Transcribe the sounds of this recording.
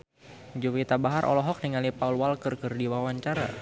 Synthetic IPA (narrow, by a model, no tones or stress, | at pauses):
d͡ʒowit̪abaɦaɾʔɔ̰lɔɦɔk̚niŋalipaulwalkərkərdiwawaɲt͡ʃaɾa̰